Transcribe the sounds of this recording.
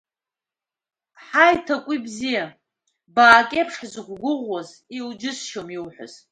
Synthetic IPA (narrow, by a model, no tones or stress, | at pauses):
ħajtʰakʷʼibzija | baːkʲʼepʰʂħzɡʷɡʷʊʁʷwaz | ild͡ʒɪsʃomiwħʷᶣʊ̰z̥